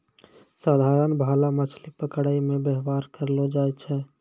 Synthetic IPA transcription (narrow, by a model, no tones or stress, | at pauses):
saːd̪ʱaɾənbʱalamət͡ʃʰlipəkɽaimẽbəɦʋaɾkəɾlod͡ʒaɛt͡ʃʰɛ